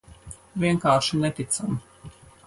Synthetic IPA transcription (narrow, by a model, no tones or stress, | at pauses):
vʲiɛŋkaːɾʃinɛt̪it̪sami